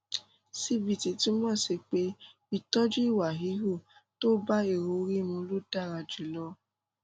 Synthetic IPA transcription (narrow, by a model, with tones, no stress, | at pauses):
si˧bi˨ti˨tĩ˨˦mɔ̃˦˨si˧k͡pe˧˦ | i˧˨tɔ˦d͡ʒu˦i˦˨wa˨ɦi˨˦ɦu˦˨to˦ba˦e˦˨ɾo˨˧ɾi˦mũ˧˦lo˦da˦˨ɾã˧d͡ʒi˨lɔ˦